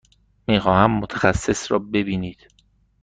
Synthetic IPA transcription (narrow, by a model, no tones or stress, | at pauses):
miːxɒːhæmːot̪ʰæxæsːe̞sɾɒːbe̞biːniːd̪̥